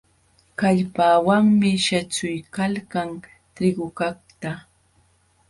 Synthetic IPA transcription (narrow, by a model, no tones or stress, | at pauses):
kaʎpaːwaŋmɪʃat͡sʊjkalkaŋ | t̪ɪɢʊkakt̪a